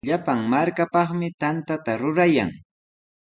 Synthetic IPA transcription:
ʎapaŋmaɾkapɑχmɪt̪ant̪at̪aɾʊɾaja̰ŋ

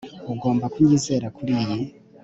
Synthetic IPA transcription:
uɡo̞ːmbakwiɲize̞ːɾakuɾiji

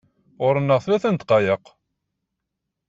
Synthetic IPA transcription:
ʊɾənːəʁθlæθænt̪qɑjəq

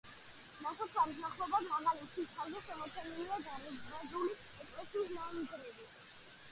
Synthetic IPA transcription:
masat̪ʰlalzaχlɔbad̪maɡalit̪ʃialzɛʃɛmɔt̪sʰɛniliad̪aɾɾad̪uli | ɛkʼlɛsisnaniɡ̪ɾɛbi

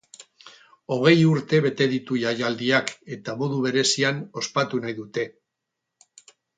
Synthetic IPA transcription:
o̞ɣ̞e̞juɾt̪e̞βe̞t̪e̞ðit̪uʝajald̪iake̞t̪amo̞ðuβ̞e̞ɾe̞siano̞spat̪unajðut̪e̞

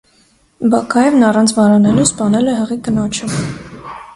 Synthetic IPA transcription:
bɑkʰɑjɛvnɑrɑnt͡sʰvɑɾɑnɛluspɑnɛlɛɦəʁikənɔt͡ʃʰə

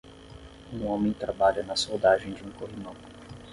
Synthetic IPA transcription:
ũõmẽj̃t̪ɾabaʎɐnɐsowd̪aʒẽj̃d͡ʒiũkoɦimɐ̃w

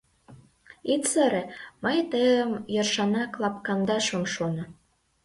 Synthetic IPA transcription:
it̪t͡səɾĕmɤjt̪əjə̆mjɤ̆rʃɑnɑklˠɑp̚kɑnd̪ɑʃŏmʃonɤ̆

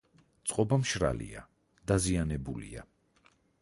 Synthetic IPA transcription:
t̪sʼqʼɔbamʃɾa̰lḭa | d̪̥azianɛbulia

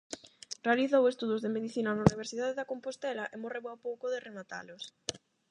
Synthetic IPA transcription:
realiθowest̪uðozðemeðiθinɐnauniβ̞eɾsiðaðeðakompost̪ɛlɐʔemoreβawpowkʊðeremat̪a̰lʊs

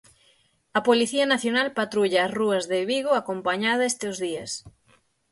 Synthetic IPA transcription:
ɐpoliθiɐnaθjonalpat̪ɾuʎaːsruɐzðeβiɣoakompaɲaðɐest̪eozðiɐs

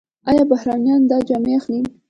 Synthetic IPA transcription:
ɑjɑbahɾɑnjɑnd̪ɑd͡ʒɑmeaxnim

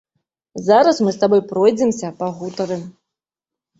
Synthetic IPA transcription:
zaɾɐsmɨst̪abɔjpɾɔjd͡zʲɛmsʲɐpaɣut̪ɐɾɨ

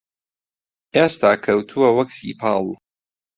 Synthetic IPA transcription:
ʔest̪ʰaːkʰɐwt̪ʰuwɐwɐksḭːpʰaːlˠ

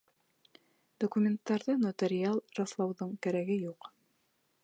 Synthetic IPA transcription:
d̪̥okumʲent̪ːɑɾðɤnot̪ʲeɾʲɪalˠrɑslˠɑwðɤɴkæɾæɡɘjuq

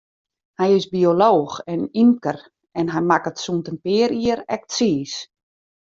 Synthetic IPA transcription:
hɛjɪsbioloːxɛnimkər | ɛnɦɛjmakətsuntənpɪəɾiəɾɛk̚tsiːs

